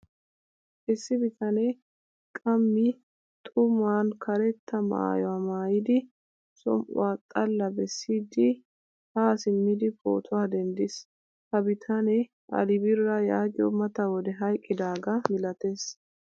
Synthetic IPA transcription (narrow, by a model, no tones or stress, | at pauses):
ʔɪsːɪbɪt̪ɐnɛ | kʼɐmːɪ | t̪ʼʊmaːnkʰɐɾɛt̪ːɐma̰jɔwamaːjɪd̪ɪ | sɔ̰mʔʊ̰waːt̪ʼːɐlːɐbɛsːiːd̪ɪ | haːsɪmːid̪ɪpʼo̰ːt̪ʰʊwaːd̪ɛnd̪ɪs | kɐbɪt̪ʰanɛ | ʔɐ̰lɪbɪɾːɐjaːɡɪɔmɐt̪ɐwɔd̪ɛɦɐjkʼːɪd̪aːɡɐmɪlɐt̪eːs